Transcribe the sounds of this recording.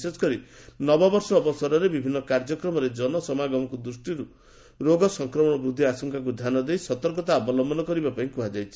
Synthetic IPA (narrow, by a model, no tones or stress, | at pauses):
sesɔ̥kɔɾinɔbɔbɔɾsɔːbɔsɔɾɔɾebibʱinːɔkaɾd͡ʒɔkɾɔmɔɾed͡ʒɔnɔsɔmaɡɔmɔkud̪ɾusʈiɾu | ɾoɡɔsɔŋkɾɔmɔɽ̃ɔbɾud̪ʱːiasɔŋkak̬ud͡ʒ̪ʱanɔd̪ejsɔt̪ɔɾkɔt̪̬aːbɔlɔmbɔnɔkɔɾibapaĩkuɦad͡ʒajt͡ʃʰi̥